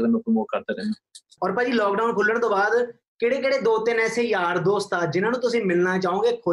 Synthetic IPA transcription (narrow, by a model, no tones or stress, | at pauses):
d̪eməkmoːkəɾt̪eːɾɛːnɛː | ɔːɾpəːd͡ʒiːlɔːkɖaunpʰʊlːəɽt̪õːbaːd̪ | kɪɽeːk̬eɽeːd̪oːt̪ɪnɛːseːjaːɾd̪oːst̪aːd͡ʒɪnãːnũːt̪ʊsĩːmɪlnaːt͡ʃaːõːɡeːkʰoː